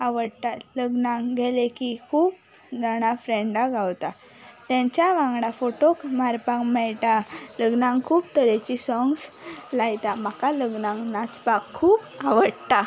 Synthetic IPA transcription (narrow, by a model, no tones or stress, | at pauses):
aʋəɽt̪aləɡnãŋɡʱɛlekikʰuːp̚ | d͡zaɽ̃afɾɛ̃ɳɖaɡawt̪a | t̪ãɲt͡ɕjaʋãŋɡɽafoʈokmaɾpãŋɡmɛɭt̪aləɡnãŋɡkʰuːpt̪əɾet͡ɕisɔŋɡslajt̪am̤akaləɡnãŋɡnat͡spakʰːuːp | aʋəɽt̪a